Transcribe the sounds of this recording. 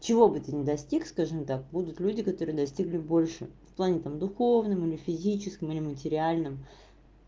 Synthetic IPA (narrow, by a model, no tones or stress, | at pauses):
t͡ɕɪvo̞bɨt̪ɨnʲɪd̪ɐsʲtʲikskaʐɨmt̪ak̚bud̪ʊt̪lʲʉdʲɪkɐt̪o̞ɾɨjəd̪ɐsʲtʲiɡlʲɪbo̞lʲʂɨ̰fplˠanʲɪt̪amd̪ʊxovnɨmilʲɪfʲɪzʲit͡ɕɪskʲɪmɨlʲɪmətʲɪɾʲɪalʲnɨm